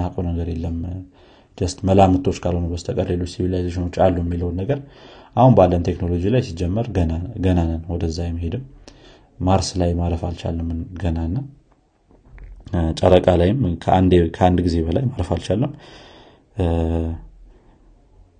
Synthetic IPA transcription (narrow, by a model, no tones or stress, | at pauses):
hakʼonəɡəɾjelːəm | d͡ʒ̪əst̪məlamɨt̪ʰo̞t͡ʃːkʰalho̞nəbəst̪ʰəkʼəɾle̞lo̞t͡ʃːsivilajzeʃino̞t͡ʃːalːujɛmːiləwnːəɡəɾʔahunbalːənt̪ʰe̞kno̞lo̞d͡ʒilajsid͡ʒːɛmːəɾɡənanənwɔd̪əzːajmːhe̞d̪ɨmː | aɾslajmaɾəfalt͡ʃa̰lːəmːɨnɡənanːa | t͡ʃʼəɾəkʼalajɪmkʰəand̪ekʰəand̪ɡize̞bəlajmaɾəfalt͡ʃalːəm